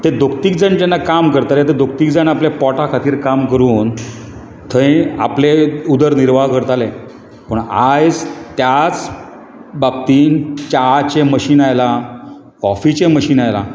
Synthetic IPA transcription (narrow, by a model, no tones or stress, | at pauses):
t̪ed̪ʱok̚t̪ik̚d͡zaɳt͡ɕɛnːakamkəɾt̪alet̪̬ed̪ʱok̚t̪iːkd͡zanaplepɔʈakʰat̪iːɾkamkəɾuːn | t̪ʰəẽa̰pleud̪əɾniɾʋakəɾt̪ale | pəɳa̰d͡zt̪jat͡s | bab̚t̪iːnt͡ɕat͡ɕeməɕiːnajla | kɔfit͡ɕeməɕiːnajla̰